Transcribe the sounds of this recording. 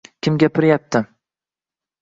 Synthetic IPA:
kʲʰɪmɡʲapʰɪɾjap̚t̪ʰɪ

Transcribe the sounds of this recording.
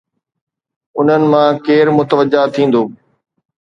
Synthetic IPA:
ʊn̤ənɪ̆mãːkeːɾmʊt̪əʋəd͡ʑat̪ʰĩːn̆d̪oː

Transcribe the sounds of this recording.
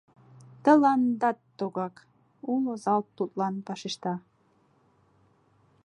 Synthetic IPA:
t̪ə̆lɑnd̪ɑt̪ːoɣɑk | ulˠozɑlt̪ːut̪lˠɑnpɑʃiʃt̪ɑ

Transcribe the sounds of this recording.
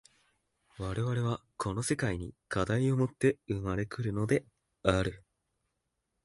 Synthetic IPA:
βaɾe̞βaɾe̞β̞akʰo̞no̞se̞kaiɲ̟ikad̪aiomo̞t̪ːe̞ɯmaɾe̞kɯ̟ɾɯ̟no̞d̪e̞ | aɾɯ̟

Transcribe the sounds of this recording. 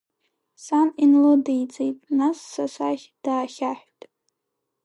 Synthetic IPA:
saninlodejt͡sʼejtʼnasːasaχʲd̥aːχʲaħʷᶣtʼ

